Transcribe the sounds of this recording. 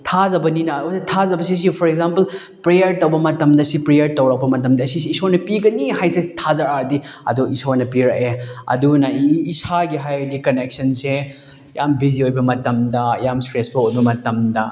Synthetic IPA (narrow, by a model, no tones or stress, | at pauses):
tʰazɐbɐninɐsetʰazɐbɐs̬is̬ipʰɔɾek̚zampɐl | pɾejɐɾtɐwbɐmɐtɐmdɐsipɾejɐɾtowɾɐk̚pɐmɐtɐmdɐsisːsoɾnɐpiɡɐniɦajsetʰazaɾaɾdiɐ̰duisonɐpiɾɐkeɐ̰dunɐiːsaɡiɦajdikɐnek̚sɐnse | jambiziojbɐmɐtɐmdɐjamstɾespʰolojbɐmɐtɐmdɐ